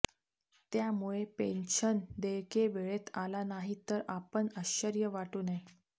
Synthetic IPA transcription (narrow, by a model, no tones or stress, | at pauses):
t̪jamuɭepenɕənd̪ejkeʋeɭet̪ʰalanaɦit̪əɾapəɳəɕəɾjəʋaʈuːne